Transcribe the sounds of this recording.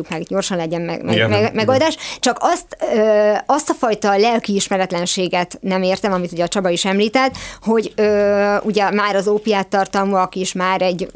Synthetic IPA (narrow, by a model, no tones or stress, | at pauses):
ukmɛɡɟo̞rʃɒnlɛɟɛmɛ̰ɛmɛɡo̞ld̪aːʃt͡ʃɒkɒst̪øɒst̪ɒfɒjt̪ɒlɛlkiːʃmɛɾɛt̪lɛnʃeːɡɛt̪nɛmeːrt̪ɛmɒmit̪uɟɛɒt͡ʃɒbɒiʃɛmliːt̪ɛt̪ːho̞ɟøːuɟɛmaːɾɒzoːpiaːt̪ːɒrt̪ɒlmuɒkiʃmaːɾɛɟː